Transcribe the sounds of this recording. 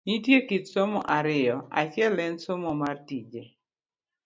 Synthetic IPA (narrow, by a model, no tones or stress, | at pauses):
nit̬jekitsomɔʔaɾɪjɔa̰t͡ʃjɛlɛnsomɔmartid͡ʒe